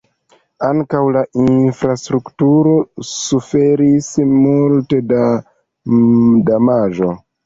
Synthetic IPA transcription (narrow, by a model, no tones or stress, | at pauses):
aŋkawlaʔinfɾastɾuktuɾo̞sufe̞ɾismulte̞da | damaʒo̞